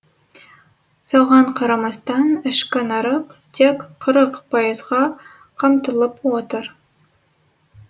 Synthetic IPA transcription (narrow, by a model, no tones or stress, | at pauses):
soʁɑɴqʰɑɾɑmɑst̪ɑnɪʃkʲɪnɑɾəqt̪ʰekqʰəɾəqpʰɑjəzʁɑ | qʰəmt̪əlˠəpwot̪əɾ